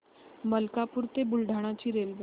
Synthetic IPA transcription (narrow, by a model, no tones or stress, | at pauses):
məlkapuːɾt̪ebulɖʱaɽ̃at͡ɕiːɾelʋ